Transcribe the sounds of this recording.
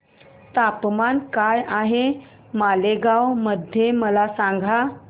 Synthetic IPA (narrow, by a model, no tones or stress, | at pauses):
t̪apmankajaɦe | maleɡawməd̪ʱjeməlasaŋɡʱa